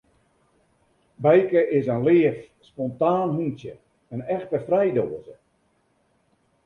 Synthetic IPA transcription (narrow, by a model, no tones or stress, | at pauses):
bɛjkəʔɪsənlɪəf | spɔntaːnhuntjə | ənɛxtəfrɛjdoːəzə